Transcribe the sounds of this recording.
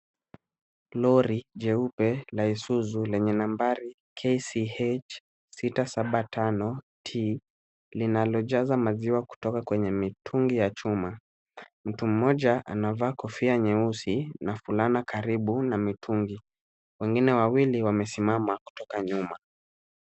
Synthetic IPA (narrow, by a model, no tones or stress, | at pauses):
lɔɾiʄɛupɛlaisuzulɛɲɛnambaɾi | kʰesiet͡ʃ | sitasaɓatʰanɔ | tʰi | linalɔʄazamaziwaku̥tɔkakwɛɲɛmitʰuŋɡijat͡ʃuma | m̩tum̩mɔʄaʔa̰navaːkɔfiaɲɛusinafulanakʰaɾiɓunamitʰuŋɡi | wɛŋɡinɛwawiliwamɛsimamaku̥tɔkaɲuma